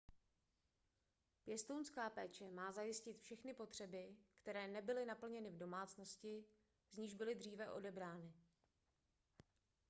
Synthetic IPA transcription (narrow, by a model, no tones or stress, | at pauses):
pjɛst̪ownskaːpɛːt͡ʃɛmaːzajɪscɪt̪fʃɛxnɪpo̞t̪r̝̥ɛbɪkt̪ɛɾɛːnɛbɪlɪnapl̩ɲɛnɪvdo̞maːt͡sno̞scɪ | zɲiʒbɪlɪd̪r̝iːvɛʔo̞̰dɛbɾaːnɪ